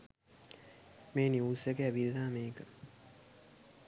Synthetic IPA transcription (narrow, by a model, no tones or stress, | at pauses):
meːniuːsəkeæʋiðaːmeːkə